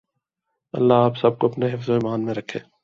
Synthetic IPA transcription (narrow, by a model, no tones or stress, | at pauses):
ə̰lːaːaːpsəb̚koːɐpneɦɪfzoːiːmaːnmẽːɾəkʰḛː